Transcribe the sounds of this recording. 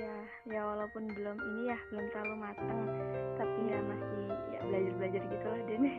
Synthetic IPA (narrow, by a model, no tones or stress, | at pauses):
jahjawalaupʊnbəlʊminijahbəlʊmt̪alumat̪aŋt̪apiŋɡaʔmasija̰bəlad͡ʒarbəlad͡ʒarɡit̪uadɛnɪ